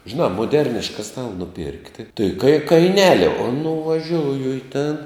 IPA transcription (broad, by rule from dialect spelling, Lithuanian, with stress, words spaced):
ʒʲɪˈnɑː moːˈdʲɛrʲnʲɪʃkɐ ˈstɑːlˠɐ nʊˈpʲɪrktʲɪ tɐɪ kɐɪ kɐɪˈnʲæːlʲɪ oː nʊʋɐˈʒʲoːʊjʊ ɪ ˈtʲeːn